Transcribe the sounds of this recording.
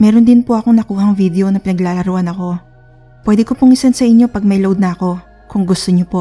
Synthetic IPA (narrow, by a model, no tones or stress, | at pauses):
mɛɾond̪ɪnpoʔɐko̞ŋnɐkuːhɐŋvid̪ɛʔo̞nɐpɪnɐɡlaːlɐɾʊʔɐnɐko̞ | pwɛːd̪ɛkopʊŋɪsɐnsɐʔɪɲːo̞pɐɡ̚mɐjlowd̪̚nɐɐko̞ | kʊŋɡʊst̪oɲopo